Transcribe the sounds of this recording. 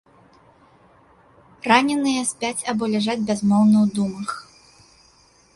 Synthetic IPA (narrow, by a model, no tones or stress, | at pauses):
ranʲɛnɨjɐsʲpʲat͡sʲabɔlʲaʐad͡zʲbʲazmɔwnɐwd̪umɐx